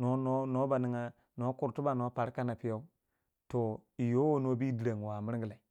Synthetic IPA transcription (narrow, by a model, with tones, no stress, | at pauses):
no˨˦no˦no˦ba˨ni˦ŋa˦ | no˦ku˨ɾtu˦ba˨no˦pa˨ɾka˦na˨pi˦ja˦u˦ | to˨i˨jo˦wo˦no˦bi˦di˨ɾa˨ŋ˨wa˨mi˦ɾɡi˨la˨i˨